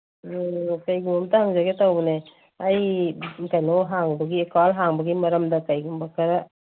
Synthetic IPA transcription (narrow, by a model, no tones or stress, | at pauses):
kajɡumamt̪aɦaŋzaɡet̪awbune | ajkajnɔɦaŋbɔɡiekalɦaŋbɔɡimɐɾɐmdakajɡumbakʰaɾa